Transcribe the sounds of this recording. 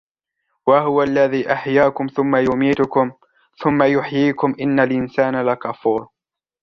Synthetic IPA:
waɦʊwalːaðiːʔaħjaːkʊmθʊmːajʊmiːt̪ʊkʊm | θʊmːajʊħjiːkʊmʔɪnːalʔɪnsaːnlakafuːɾˤ

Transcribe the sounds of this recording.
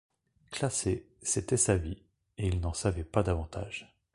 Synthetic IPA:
klase | set̪ɛsavi | eilnɑ̃savɛpad̪avɑ̃t̪ʰa̰ʒ̥

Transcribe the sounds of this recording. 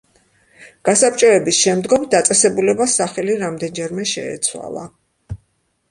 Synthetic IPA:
ɡ̥asap̚ʰʼt͡ʃʼɔɛbisʃɛmd̪ɡɔmd̪at̪sʼɛsɛbulɛbasaχɛliɾamd̪ɛnd͡ʒɛɾmɛʃɛ̰ːt̪sʰwa̰lˠa̰

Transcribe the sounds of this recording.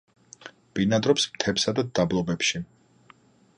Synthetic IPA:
b̥inad̪ɾɔpsmt̪ʰɛpsad̪ad̪̥ablˠɔbɛpʃi

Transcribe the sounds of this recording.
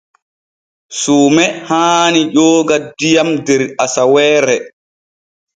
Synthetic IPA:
suːmɛhaːniʄɔːɡadijamdɛɾasawɛːɾɛ

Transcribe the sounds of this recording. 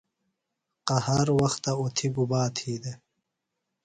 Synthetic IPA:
qɐhɐɾwɐxt̪ɐot̪ʰiɡubaːt̪ʰiːd̪e

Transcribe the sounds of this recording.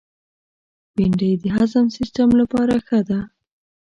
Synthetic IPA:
wiɳɖəjd̪əɦazamsistamlapɑɾaxəd̪a

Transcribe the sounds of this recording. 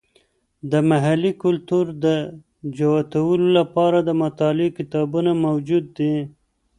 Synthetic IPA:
d̪əmaɦalːikʊlt̪uɾd̪ə | d͡ʒawat̪awəlolapɑɾad̪əmʊt̪ɑlɪkɪt̪ɑbunamawd͡ʒud̪ːi

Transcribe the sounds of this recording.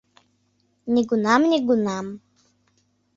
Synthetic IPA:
nʲiɡunamnʲɛɡunam

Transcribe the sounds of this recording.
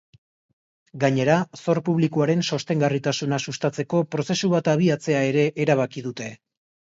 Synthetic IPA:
ɡaɲe̞ɾaso̞ɾpuβ̞likuaɾe̞nso̞st̪e̞ŋɡarit̪asunasust̪at͡se̞ko̞pɾo̞se̞suβat̪aβ̞iat͡se̞ae̞ɾe̞ʔːɾaβ̞akið̞ut̪e̞

